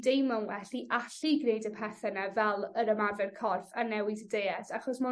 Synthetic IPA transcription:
dejmanwɛɬiʔaɬiɡnejdəpʰɛθɛnavɛlˠəɾəmarvɛrkʰɔrfanːɛwɪdədeɛsaχɔsmɔ

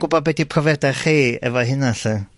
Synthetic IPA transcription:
ɡ̥ʊbɔbɛdipʰrɔvɛdaχiːɛ̰vɔɦɪnaɬə

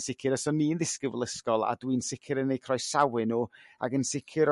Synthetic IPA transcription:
sɪkʰɪɾəsɔniːnðɪskəvlˠəskɔlˠa̰dwinsɪkʰɪɾənejkʰrɔjsawɨnuːa̰ɡənsɪkʰɪɾ

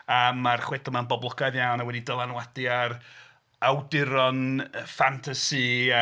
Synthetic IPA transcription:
əmːarχwɛθɔmanbɔblˠɔɡajðjawnawɛdidəlˠanwadiaɾ | awdɪɾɔnfantʰasi

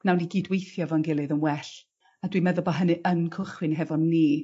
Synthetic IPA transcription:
nawniɡidwejθjɔvɔnɡɪlˠɨðənwɛɬ | adwimɛðʊlˠbɔɦənɨʔənkʰʊχwɨnɦɛvɔnːiː

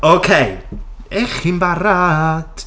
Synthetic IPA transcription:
okʰejɛχinbaɾad̥

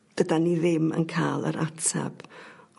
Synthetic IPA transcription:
ɡ̥ədaniðɪmə̰nkʰaːlˠə̰ɾʔatʰɛ̰b̥

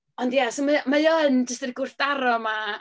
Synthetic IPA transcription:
ɔndjasomamajɔənd͡ʒəstərɡʊr̥θdaɾɔma

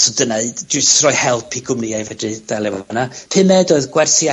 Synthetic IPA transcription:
sɔdənad͡ʒʊstrɔjhɛlˠpʰiɡʰʊmniajvədɨd̥alˠɛvɔnapʰɨmɛdɔɨðɡwɛrθja

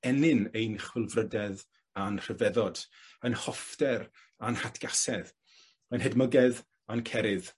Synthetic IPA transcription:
ɛnɪnejnχwɪlˠvrədɛð | anr̥əvɛðɔd̥ | ənhɔfd̥ɛɾ | anhatʰɡ̥asɛð | ənɦɛdməɡɛð | ankʰɛɾɪð

